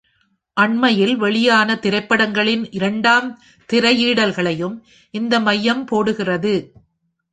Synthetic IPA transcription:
ʔɐɳmɐjɪlʋɛɭɪjaːnɐt̪ɪɾɐɪpːɐɽɐŋɡɐɭɪnʔɪɾɐɳɖaːm | t̪ɪrɐjiːɽɐlɣɐɭɐjɯm | ʔɪnd̪ɐmɐjːɐmpoːɽɯɣɪrɐðɯ

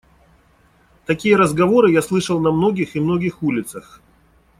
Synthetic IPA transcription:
t̪ɐkʲijəɾəzɡɐvo̞ɾɨjaslˠɨʂəlˠnɐmno̞ɡʲɪxɪmno̞ɡʲɪxulʲɪt̪səx

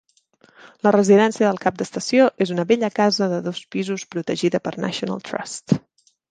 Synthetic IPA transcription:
lərəziðɛnsiəðəlˠkap̚d̪əst̪əsioʔezunəβɛʎəkazəðəðospizuspɾut̪əʒiðəpərnʔa̰ʃiunə̰lˠt̪ɾa̰st̪

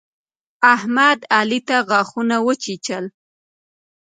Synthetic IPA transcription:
ahmad̪alit̪aɣɑxunawət͡ʃit͡ʃəl

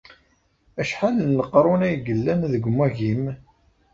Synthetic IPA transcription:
æʃħalːəqɾˤʊnæjɡəlːænðəɡʷmæʝim

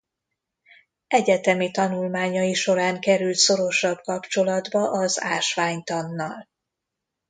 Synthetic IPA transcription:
ɛɟɛt̪ɛmit̪ɒnulmaːɲɒjiʃo̞ɾaːŋkɛɾylt̪so̞ɾo̞ʃɒbkɒpt͡ʃo̞lɒd̪bɒʔɒza̰ːʃʋaːɲt̪ɒnːɒl

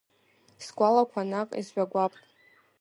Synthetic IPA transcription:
sɡʷalakʷʰanakʼḭzʒᶣaɡʷapʼ

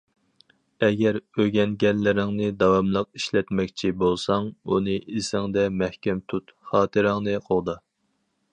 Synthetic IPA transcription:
ɛɡʲɛɾøɡʲɛnɡʲɛnlːɪɾɪŋnɨd̪ɑwɑmlˠəq̚i̥ʃlɛt̪mɛkʲt͡ʃʰibolˠsɑŋunɨʔisɪŋd̪ɛmæhkʲɛmt̪ʰut̪χɑːt̪ʰɨɾɪŋnɨqʰolˠd̪ɑ

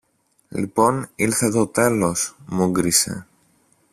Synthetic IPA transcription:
lḭpo̞nilθe̞t̪o̞t̪e̞lo̞smuɡɾise̞̰

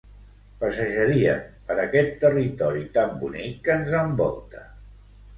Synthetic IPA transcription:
pəsəʒəɾiə̰pəɾəkɛt̪ːərit̪ɔɾit̪ambunikːənzəmbɔ̰lˠt̪ə̥

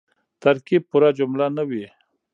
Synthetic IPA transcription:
t̪aɾkib̚puɾad͡ʒʊmlanawi

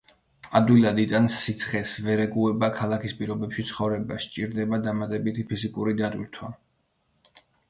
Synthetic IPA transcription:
ad̪wilˠad̪id̪ʼansit̪sʰχɛsvɛɾɛɡuɛbakʰalˠakʰispʼiɾɔbɛpʃit̪sʰχɔvɾɛbast͡ʃʼiɾd̪ɛbad̪amat̪ʼɛbit̪ʰipʰizikʼuɾid̪ad̪ʼwilt̪ʰwa

